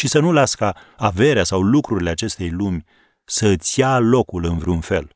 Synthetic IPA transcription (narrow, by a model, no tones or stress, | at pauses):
ʃisənulaskə | ave̞ɾeasawlukɾuɾile̞at͡ʃe̞st̪e̞jlumʲ | sət̪sjalo̞kulɨnvɾunfe̞̰l